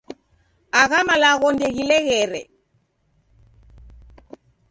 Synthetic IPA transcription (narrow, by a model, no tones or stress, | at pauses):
aɣamalaɣɔndɛɣilɛɣɛɾɛ